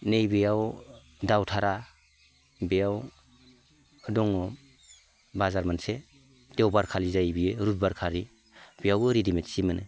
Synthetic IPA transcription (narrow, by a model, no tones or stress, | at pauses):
nejbijaw | dawtʰaɾa | bejaw | ɯdɔŋɔ | bazaɾmanse | d̥ewbaɾkʰalizajbiɾubbaɾkʰaɾi | b̥ijawɾidimetsimɯnɯ